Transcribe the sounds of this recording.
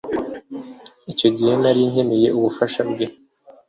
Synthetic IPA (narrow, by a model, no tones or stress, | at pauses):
ico̞ɟihe̞naɾiɲhe̞meje̞ʔuβufaʃabɡe